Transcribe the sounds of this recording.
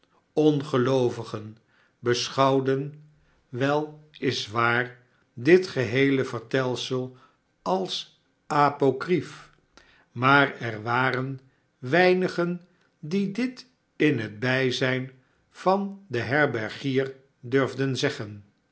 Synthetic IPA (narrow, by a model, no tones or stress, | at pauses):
ɔnχəlowvəχən | bəsχɑwdən | ʋɛlˠɪsʋaːɹ | dɪtχəɦejləvəɹtɛlˠsəlˠ | ɑlˠs | apokrif | maːrɛɹʋaːɾən | ʋɛjnəχən | didɪt | ɪnɦəd̚bɛjzɛjn | v̥ɑndəɦɛɹbɛɹχiːr | døɹvdənzɛχən